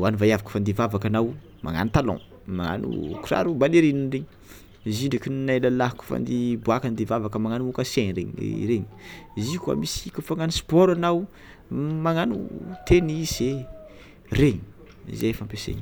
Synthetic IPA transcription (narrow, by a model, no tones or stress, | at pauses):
anivajavaku̥fand̪ivavakanaw | ma̰ŋa̰nit̪alɔ̰̃ | maŋa̰nṵkura̰ɾubaleɾininreɲ | ziɳɖ͡ʐekinnalalaɦaku̥fa̰nd̪ibuakand̪evavakəmaŋanukaseɲɾeɲḛɾeɲizikua̰misikufaŋanspɔɾanaw | maŋanṵt̪enize | reɲi̥̰ | zefampesḛɲi